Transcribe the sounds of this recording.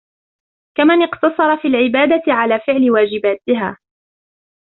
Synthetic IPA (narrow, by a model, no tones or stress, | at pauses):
kamanɪqt̪ɑsˤɑɾˤɑfiːlʕɪbaːd̪at̪ʕalaːfɪʕlɪwaːd͡ʒɪbaːt̪ɪɦaː